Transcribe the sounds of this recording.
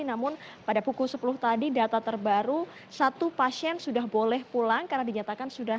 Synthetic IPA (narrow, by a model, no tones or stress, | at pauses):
inamʊnpadapukulsəpulʊht̪adidat̪at̪ərbaɾu | sat̪upasiɛnsudaɦbolɛhpulaŋkarnadiɲat̪akansuda